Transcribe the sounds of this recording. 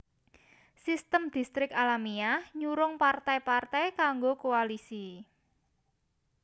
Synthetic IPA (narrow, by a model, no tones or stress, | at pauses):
sist̪əmd̪̥i̤st̪ɾɪkalamiahɲuɾʊŋpart̪ajpart̪ajkaŋɡokoalisi